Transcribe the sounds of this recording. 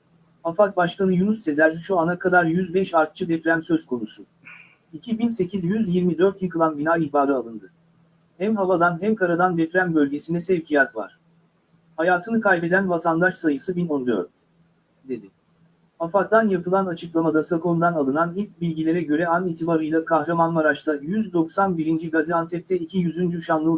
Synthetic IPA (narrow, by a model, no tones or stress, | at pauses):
afak̚baʃkanɯjunusːe̞zæɾʃuanakʰad̪aɾjyzbɛʃaɾt̪̚t͡ʃʰɯd̪ɛpɾæmsøzkʰo̞nusu | icʰibinse̞cʰizjyzjiɾmid̪øɾt̪jakʰɯlˠanbinaːihbaːɾɯalˠɯnd̪ɯ | hæmɦavad̪anɦæmkʰaɾad̪and̪ɛpɾæmbø̞lʲɟe̞sinɛsɛvcʰijat̪va̰ɾ̥ | hajaːt̪ʰɯnɯkʰajbɛd̪ænvat̪ʰand̪aʃsajɯsɯbinond̪ø̰ɾt̪̚ | d̪e̞d̪ɪ | afak̚d̪anjapɯlˠanat͡ʃʰɯklˠamad̪asakʰo̞nd̪analˠɯnanilʲc̚bilʲɟilʲe̞ɾɛɟø̞ɾɛaniːt̪ʰibaɾɯjlˠakʰahɾamanvaɾat͡ʃt̪ʰajyzd̪o̞ksanbiɾind͡ʒiɡazɛant̪ʰɛp̚t̪ʰɛicʰijyzynd͡ʒuʃanlˠɯ